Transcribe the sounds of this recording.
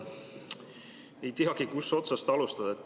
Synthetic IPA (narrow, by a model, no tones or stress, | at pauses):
e̞jt̪iɦɑɡ̥ikusːo̞t̪sɑst̪ɑlust̪ɑd̪̥ɑet̪ː